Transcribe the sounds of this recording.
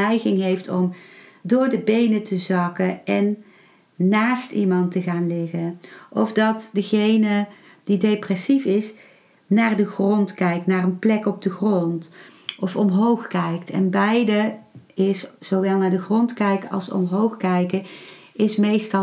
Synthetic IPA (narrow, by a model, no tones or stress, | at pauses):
ɛjɣɪŋɦejftɔmdʊːɹdəbejnətʰəzɑkəʔɛnː | aːstimɑntəɣaːnlɪɣəʔɔvdɑtdəɣejnə | d̥idejprɛsifɪs | naːrdəχrɔntkɛjk̚naːrənplɛkɔb̚dəɣrɔntɔfɔmɦowχkɛjktɛ̰nbɛjdəɪszowʋɛlˠnaːɹdəχrɔntkɛjkəɑ̰lˠsɔ̰mɦowxkɛjkə | ɪsmejstɑ